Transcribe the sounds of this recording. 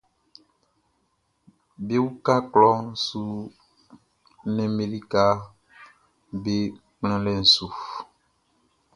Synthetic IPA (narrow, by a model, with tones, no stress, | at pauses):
be˦wu˦ka˦klɔ˦n̩˦su˦ | nɛ̃˦me˨li˦ka˦ | be˦ | k͡plɛ̃˦lɛ˨n̩˨su˨f